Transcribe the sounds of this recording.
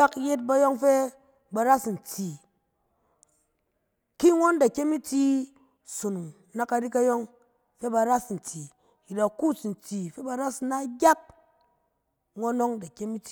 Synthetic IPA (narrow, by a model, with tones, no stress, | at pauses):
a˦kje˦t̬̚ba˧jo˦ŋfe˦ | ba˧ɾa˦sn̩˨t͡si˨ | ki˦ŋo˦nda˨kʲe˦mi˦ti˦ | su˨nu˨ŋ | na˦ka˧ɾi˦ka˦jo˦ŋ | fe˦ba˧ɾa˦sn̩˨ti˨ | ji˨da˨ku˦sn̩˨ti˨fe˦ba˨ɾa˦sna˦ɡʲa˦k̚ | ŋʷo˦no˦ŋda˨kʲe˦mi˦ti˨